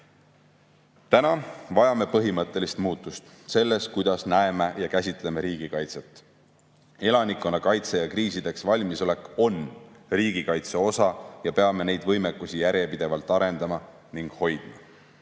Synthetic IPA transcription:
t̪ænɑvɑjɑme̞pɤɦimɤt̪ːˑe̞list̪muːt̪ːˑust̪ | se̞lːe̞st̪̚kujd̪̥ɑsnæe̞mejɑkæsʲit̪ˑle̞meɾiːɡ̥ikɑjt̪set̪ːˑ | e̞lɑnikːˑonɑkɑjt̪sejɑkriːsid̪e̞ksvɑlʲmiso̞le̞kːˑo̞nriːɡ̥ikɑjt̪seo̞sɑjɑpe̞ɑme̞ne̞jd̪̥vɤ̞jmekːˑusijæɾjepid̪̥e̞vɑlt̪ːˑɑɾe̞nd̪̥ɑmɑ | niŋɡ̥ho̞jd̪̥mɑ

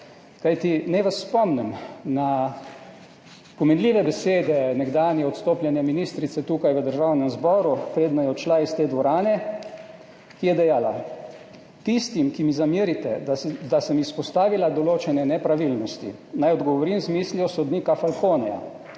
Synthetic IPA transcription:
kajt̪inɛjʋasːpɔmnɛmna | pɔmɛnliːʋɛbɛseːd̪ɛnɛɡd̪aːnjɛɔt̪st̪oːplʲjɛnjɛminist̪ɾit̪sɛt̪uːkajʋəd̪əɾʒawnɛmzbɔːɾupɾeːd̪najɛɔt͡ʃlaist̪eːd̪ʋɔɾaːnɛ | kijɛd̪ɛjaːla | t̪ist̪imkimizamiːɾit̪ɛd̪asəmispɔst̪aːʋilad̪ɔloːt͡ʃɛnɛnɛpɾaʋilnɔst̪ḭnajɔd̪ɡɔʋɔɾimzmiːsliɔsɔd̪niːkafalkoːnɛja̰

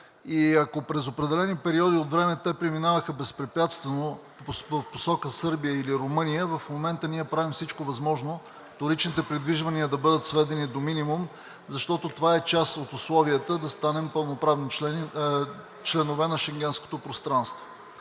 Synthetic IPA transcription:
iɐkopɾɛzopɾɛd̪ɛlɛnipɛɾiɔd̪iot̪vɾɛmɛt̪ɛpɾiminavəxəbɛspɾɛpʲjat̪st̪vɛno | əfposɔkəsɤɾbiəiliɾomɤnijəvɐfmomɛnt̪əniɛpɾavimfsit͡ʃkovɐzmɔʒno | ft̪oɾit͡ʃnit̪ɛpɾid̪viʒvɐniəd̪ɐbɤd̪ət̪svɛd̪ɛnid̪ominimum | zɐʃt̪ɔt̪ot̪ovaɛt͡ʃasot̪ʊslˠɔviət̪əd̪ɐst̪anɛmpəlˠnopɾavni | t͡ʃlɛnovɛnɐʃɛŋɡʲɛnsko̥t̪opɾost̪ɾanst̪vo

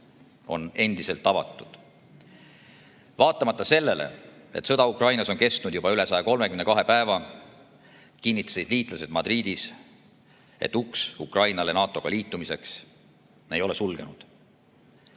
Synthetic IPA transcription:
o̞̰ne̞nd̪̥ise̞lt̪ːɑvɑ̰t̪ːˑud̪̥ | vɑːt̪ˑːɑmɑt̪ːˑɑse̞lːe̞lḛet̪sɤ̞d̪ɑukrɑjnɑso̞nke̞st̪nud̪jubɑyle̞sɑjɑko̞lme̞kymne̞kɑɦe̞pæevɑ | kinːit̪ːˑɑ̥sid̪̥liːt̪ˑlɑse̞d̪̥mɑd̪riːd̪̥is | e̞̰t̪ːuksukˑrɑjnɑle̞nɑːt̪ˑːo̞ɡ̥ɑliːt̪ːˑumise̞ks | nejo̞lesulɡ̥e̞nud̪̥

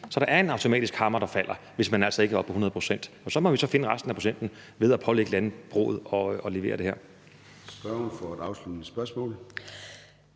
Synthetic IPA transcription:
sɒ̽ɾ̥ɑ̈æɐe̝nɑ̈ʊt͡sʰo̝mɛ̰ːd̥isɡ̥hɑ̈mɐɾ̥ɑ̈fæl̰ɐ | ʋe̝smænæl̰sɒe̝ɡəæɒ̽b̥̚pʰːɒ̽unɐðˠpʰʁo̝sen̰d̥ | ɒ̽sɒ̽mɒ̽ʋisɒ̽fe̝nəʁasd̥n̩æpʰo̝ɕen̰d̥n̩ | ʋe̝ð̞ˠæpʰɒ̽leɡ̥əlænəb̥ʁɔ̰ːð̩ˠɒ̽ɒ̽le̝ʋe̝̰ːɐd̥e̝hæ̰ɐ̰ | sb̥ɶɐunfɒæd̥ɑ̈ʊslud̥əe̥sb̥ɶɐsmɔ̰̽ːl̩

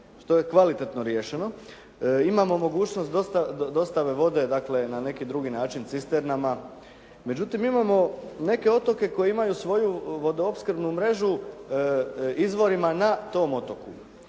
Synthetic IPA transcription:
ʃt̪o̞je̞kʋalit̪et̪no̞ɾjeːʃe̞no̞ | imamo̞mo̞ɡuːt͡ʃno̞st̪d̪ost̪ad̪o̞st̪aʋe̞ʋo̞d̪e̞d̪akle̞nane̞kid̪ɾuɡinaːt͡ʃint̪sist̪eɾnama | me̞d͡ʑut̪imimamo̞ne̞ke̞o̞t̪o̞ke̞ko̞jeimajusʋo̞juʋo̞d̪oopskɾ̩bnumɾe̞ʒu | izʋo̞ɾimanat̪o̞ːmo̞t̪o̞ku

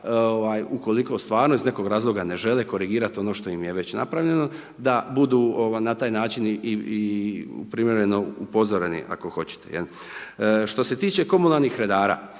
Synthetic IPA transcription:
oʋajuko̞liko̞st̪ʋaːɾnoizne̞ko̞ɡɾaːzlˠo̞ɡane̞ʒe̞leko̞ɾiɡiːɾat̪o̞no̞ːʃt̪o̞imje̞ʋe̞t͡ɕna̰pɾaʋʎe̞no̞ | d̪abud̪uːoʋajnat̪aːjnaːt͡ʃiniiṵpɾimjeɾeno̞upo̞zoɾenḭʔa̰ko̞xo̞t͡ɕe̥t̪e̞̰jḛl | ʃt̪o̞se̞t̪iːt͡ʃe̞ko̞munalnixɾe̞d̪aːɾa̰ː

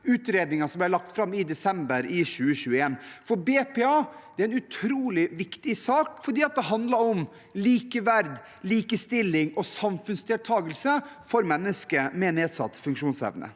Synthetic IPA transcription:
ʉːt̪ɾeːd̪nɪŋɑsɔmb̪æɪlɑk̚t̪fɾɑmːɪd̪ɛsɛmbəɾɪʃʉːəɕʉːəeːnfɔɾbeːpʰeːɑːd̥̪ɛæɾɛnʉt̪ʰɾuːlɪʋɪkt̪ɪsɑːkfɔɖiːɑt̪̚d̪ɛɦɑnd̪lɑɾɔm | liːkəʋæɾd̪ | liːkəst̪ɪlːɪŋɔsɑmfʉnsd̪ɛːlt̪ʰɑːɡəlsəfɔɾmɛnːəskəmeneːd̪sɑ̰t̪ːfʉŋkʂuːnsɛ̰ʋnə̰

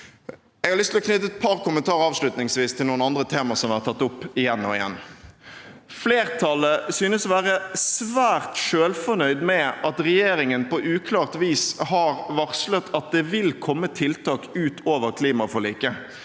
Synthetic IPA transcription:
ɛɡhɑɾlʏst̪ʰɪlɔknʏt̪əɛt̪̚pʰɑʁkʰʊmənt̪ʰɑːɾɑːʋʂlʉt̪nɪŋsʋiːst̪ʰɪlnuːənɑnd̪ɾət̪ʰeːmɑsɔmʋæɾt̪ʰːɑt̪ːʊpːɪjɛnːɔɪjɛ̰nː | fleːʁt̪ʰɑləsyːnəsɔʋæːɾəsʋæːʁt̪ʃøːlfɔnœʏd̪mɛʔɑt̪ʁɛjeːɾɪŋənpɔʔʉːkʰlɑːʁt̪ʋiːshɑʁʋɑʁslət̪ʰɑt̪̚d̪ɛʋɪlkʰɔmːət̪ʰɪlt̪ʰɑːkʉːt̪ʰoːʋəʁkʰliːmɑfɔliːkə

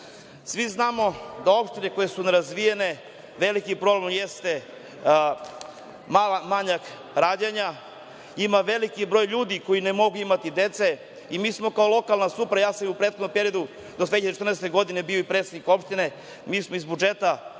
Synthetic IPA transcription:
sʋiznaːmo̞d̪ao̞pʃt̪ine̞kojesuneɾazʋijene̞ | ʋe̞likipɾo̞blemjest̪e̞ | malamaɲak | ɾaːd̪jaɲa | imaʋe̞likibɾo̞ːjʎuːd̪iko̞inemo̞ɡuimat̪id̪e̞t̪se̞ | imiːsmo̞kaolˠo̞kalˠnasupɾajaːsamiupɾet̪̚xod̪nompe̞ɾio̞d̪u | d̪ot̪veead̪eet̪rneset̪eɡo̞d̪ine̞bio̞ipɾet̪sed̪niko̞pʃt̪ine̞ | miːsmo̞izbud͡ʒe̞t̪a

